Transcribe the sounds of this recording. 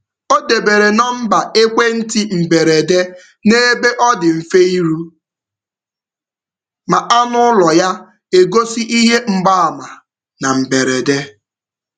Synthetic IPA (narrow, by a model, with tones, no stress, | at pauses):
o˦de˨be˨ɾe˨nɔ˦m̩˦ba˨e˦kʷe˦n̩˦tɪ˦m̩˨be˨ɾe˨de˦ | ne˦be˦ʔɔ˦dɪ˨m̩˨fe˦i˦ɾu˦ | ma˨ʔa˦nʊ˦lɔ˨ja˦ | e˨ɡo˦si˦ʔi˦ɦe˦ŋ͡m̩˨ɡ͡ba˦a˨ma˨ | na˨m̩˨be˨ɾe˨de˦